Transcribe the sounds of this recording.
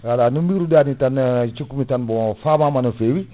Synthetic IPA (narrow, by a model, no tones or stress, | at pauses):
alanumbiɾudanitant͡ʃikumitanbofamamanufewi